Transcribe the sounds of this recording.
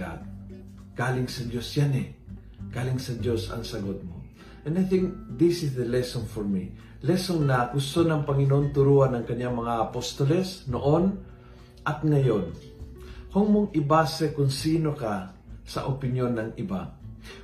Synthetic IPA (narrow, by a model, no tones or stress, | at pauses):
a̰t̪̚ | ɡ̥aːlɪŋsɐd͡ʒo̞sjanɛ | ɡ̥aːlɪŋsɐd͡ʒo̞sɐ̰ŋsɐɡot̪̚mo̰ | ʔɛnajθɪ̃ŋkðɪsɪsd̪əlɛsonfoɹmi | lɛsonnɐɡ̥ʊst̪onɐŋpɐŋɪnoʔont̪ʊɾuɐnɐŋkɐɲːaŋmɐŋaʔɐpost̪olɛsnoʔon | ʔɐt̪̚ŋɐjon | koŋmoŋʔɪbasɛkʊŋsiːnoka | sɐ̰ʔopɪnjo̞nːɐŋʔɪba